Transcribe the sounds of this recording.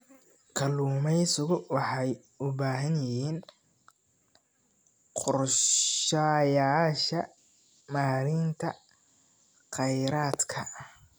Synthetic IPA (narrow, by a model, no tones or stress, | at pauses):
kʰɐluːmɛjsʊɣʊwɑħɑj | ʊbaːɦɐnjɪjiːn | qɔrʃajaːʃɐ | maːɾɪnt̪ʰɐ | qɛjɾaːd̪kʰɐ